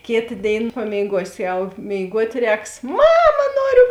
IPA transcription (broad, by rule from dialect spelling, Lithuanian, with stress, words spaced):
ˈkʲeːtɐ ˈdʲeːɪn pɐmʲeːɪˈɡuɔsʲɪ ˈjɛʊ mʲeːɪˈɡuɔtʲ ˈrʲɛːks ˈmɑːmɐ ˈnoːrʲʊ